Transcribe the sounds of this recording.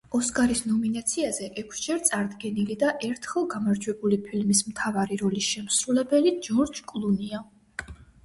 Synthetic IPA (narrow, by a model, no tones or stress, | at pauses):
ɔskʼaɾisnɔminat̪sʰiazɛʔɛkʷʰsd͡ʒɛɾt̪sʼaɾd̪ɡɛnilid̪aʔɛɾt̪ʰχɛlˠɡamaɾd͡ʒwɛbulipʰilmismt̪ʰavaɾiɾɔliʃɛmsɾulɛbɛlid͡ʒɔɾd͡ʒkʼlˠunia